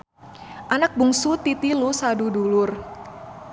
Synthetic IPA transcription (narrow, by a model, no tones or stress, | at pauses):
ʔanak̚buŋsut̪it̪ilusadudulʊr